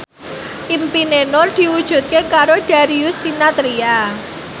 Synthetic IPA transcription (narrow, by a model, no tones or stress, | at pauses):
ʔimpinenɔrd̪̥i̤wud̥ʒ̥ṳt̪̚kekaɾoɖ̥a̤ɾiusinat̪ɾia